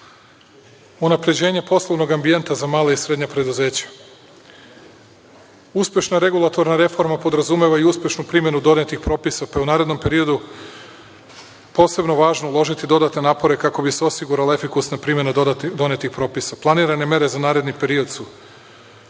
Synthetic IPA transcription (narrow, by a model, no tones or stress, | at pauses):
unapɾe̞d͡ʑe̞ːɲe̞po̞slˠoʋno̞ɡambije̞nt̪azamaːlaisɾe̞d̪ɲapɾe̞d̪uze̞ːt͡ɕḁ | uspʲje̞ʃnaɾe̞ɡulˠat̪o̞ɾnaɾe̞fo̞ɾmapo̞d̪ɾazume̞ʋaiuspʲje̞ʃnupɾimje̞nud̪o̞net̪ixpɾo̞ːpisapaeunaːɾe̞d̪no̞mpe̞ɾio̞d̪u | po̞ːse̞bno̞ʋaːʒnoulˠo̞ʒit̪id̪o̞d̪at̪ne̞naːpo̞ɾe̞kako̞bise̞o̞siɡuɾalae̞fikusnapɾiːmʲje̞nad̪o̞ne̞t̪ixpɾoːpisaplˠaniːɾane̞me̞ɾe̞zanaːɾe̞d̪nipe̞ɾio̞d̪su